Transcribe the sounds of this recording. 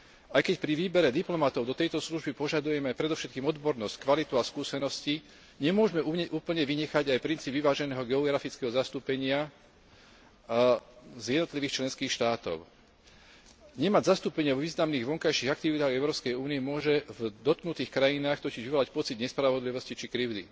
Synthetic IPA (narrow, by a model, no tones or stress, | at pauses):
ajkɛcpɾiʋiːbɛɾɛd̪iplɔmat̪ɔʊd̪ɔt̪ɛjt̪ɔsluʒbipɔʒad̪ujɛmɛajpɾɛd̪ɔfʃɛt̪kiːmɔd̪bɔɾnɔsckʋalit̪uaskuːsɛnɔsci | ɲɛmʊɔʒmɛʔuɲɛʔuːpl̩ɲɛʋiɲɛxaɟajpɾint͡siːbʋiʋaːʒɛnɛːɦɔɡɛɔɡɾafit͡skɛɦɔzast̪uːpɛɲɪa | zjɛd̪nɔt̪liʋiːxt͡ʃlɛnskiːxʃt̪aːt̪ɔ̰ʊ | ɲɛmaɟzast̪uːpɛɲɪaʋʋiːznamniːɣʋɔŋkajʃiɣakt̪iʋit̪aːɣɛʊɾɔːpskɛjuːniɛmʊɔʒɛvd̪ɔt̪̚knut̪iːxkɾajinaːxt̪ɔciʒʋiʋɔlac̚pɔt͡sid̪ɲɛspɾaʋɔd̪liʋɔscit͡ʃikɾiʊd̪ḭ